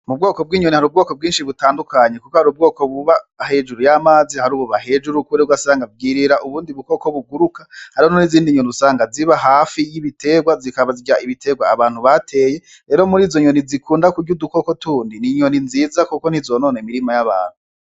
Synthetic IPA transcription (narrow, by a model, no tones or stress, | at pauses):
mub̚ɡo̞ːko̞b̚ɡiːɲonihaɾuːbɡo̞ːko̞b̚ɡiːnʃiβutaːndukʰaɲe̞kukohaɾuːb̚ɡo̞ːko̞βuβahe̞d͡ʒuɾujamaːzihaɾuːβuβaɦe̞d͡ʒuɾukuɾeɡwasaːŋɡabɡiːɾiɾaʔuβuːndiβuko̞ko̞βuɡuɾukahaɾihononiziːndiɲoniuzsaːŋɡaziβaɦaːfijiβitʰe̞ɡwazikaβaziɡɾaʔiβitʰe̞ɡwaːβaːn̥huβatʰe̞ːje̞ | ɾe̞ːɾomuɾiːzoɲonizikʰuːndakuɡɟuduko̞ko̞tuːndiniɲo̞ninziːzakukon̥hizono̞ːnemiɾimajaβa̰ːn̥u